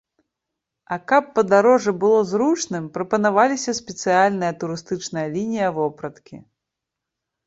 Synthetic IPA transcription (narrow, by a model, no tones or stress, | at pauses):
ɐkapːɐd̪aɾɔʐɨbɨlˠɔzɾut͡ʂnɨmpɾɐpɐnavalʲisʲɐsʲpʲɛt̪sɨjalʲnɨjɐt̪uɾɨst̪ɨt͡ʂnɐjɐlʲinʲijɐvɔpɾɐt̪kʲḭ